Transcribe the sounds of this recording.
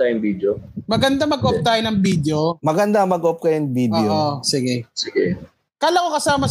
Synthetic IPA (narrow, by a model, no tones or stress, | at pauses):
ajʊŋbid̪jomɐɡɐnd̪amɐɡʔop̚t̪aːjonɐŋbiːd̪eomɐɡɐnd̪amɐɡop̚kɐjoŋbidʔjoʔosɪɡɛsɪɡɛ | kaːlɐkokɐsaːmɐ